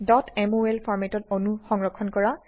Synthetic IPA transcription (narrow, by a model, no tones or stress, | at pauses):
dɔtʰɛmoɛlpʰɔɹmɛtɔtonuxɔŋɹɔkʰːɔnkɔɹa